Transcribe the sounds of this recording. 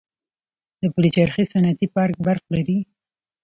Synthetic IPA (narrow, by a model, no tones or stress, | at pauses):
d̪̥əpəlit͡ʃaɾxesanat̪ipɑɾk̚baɾq̚laɾi